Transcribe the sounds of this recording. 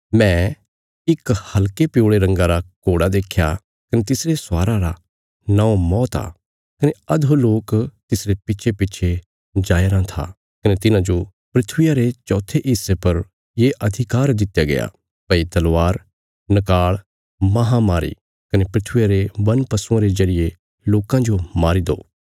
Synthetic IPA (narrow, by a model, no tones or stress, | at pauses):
mɛ̃ː | ɪkhɐlkepjoːɽeɾɐ̃ŋɡaɾakoːɽad̪eːkʰja | kɐnet̪ɪsɾesaːɾaɾa | nãõmɔːt̪a̰ | kɐneɐd̪ɦoloːkt̪ɪsɾepɪːʃʰepɪːʃʰe | d͡ʒaːjɾãt̪ʰa̰ | kɐnet̪ɪnãd͡ʒo | pɾɪt̪ʰwɪjaɾet͡ʃɔːt̪ʰeʔɪsːepɐɾ | jeʔɐd̪ʱɪkaːɾd̪ɪt̪jaɡɐ̰ja̰ | pɐit̪ɐlʋaːɾ | nɐkaːɭ | mɐɦamaːɾḭ | kɐnepɾɪt̪ʰwɪjaɾebɐnpɐsʊãɾezɐɾɪje | loːkãd͡ʒomaːɾid̪o̰ː